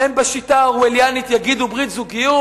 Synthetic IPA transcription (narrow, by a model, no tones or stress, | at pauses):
embaʃitaʁueljanit̪jaɡid̪ubʁit̪zuɡiju